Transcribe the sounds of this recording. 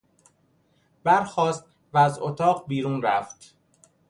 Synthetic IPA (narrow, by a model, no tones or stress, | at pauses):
b̥æɾxɒːst̪̚ | væːzot̪ʰɒːɢbiːɾuːnɾæft̪